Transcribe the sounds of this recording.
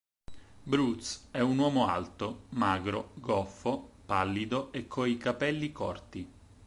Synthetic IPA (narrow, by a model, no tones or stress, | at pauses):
bɾut̪sɛunwɔːmoa̰lt̪omaːɡɾoɡɔfopalːid̪oekʰːoikapɛlːikɔrt̪i